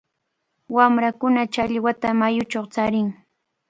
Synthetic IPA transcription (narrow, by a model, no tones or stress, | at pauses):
wamɾakʊnat͡ʃaʎwat̪amajʊt͡ʃoχt͡saɾɪŋ